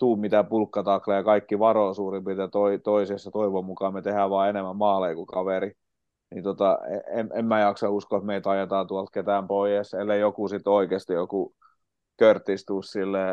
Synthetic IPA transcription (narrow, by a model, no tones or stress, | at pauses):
t̪uːmmit̪æpulkːɑt̪ɑklejɑkɑikːiʋɑroːsuːrimpit̪ɑt̪oit̪oisiesːɑt̪oiʋomukɑmet̪ehæʋɑːenemːæmmɑːleikukɑʋeri | nint̪ot̪ɑḛememmæjɑksɑuskot̪meit̪ɑjet̪ɑːt̪uɑlt̪̚ket̪æˑmpoijeselːeijokusit̪oikeːst̪ijoku | kørt̪ːist̪uːssilːeː